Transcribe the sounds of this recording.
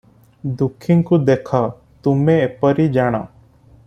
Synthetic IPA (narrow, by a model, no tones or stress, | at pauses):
d̪ukʰɪŋkud̪ekʰa | t̪umẽːpəɾid͡ʒaɽ̃a̰ː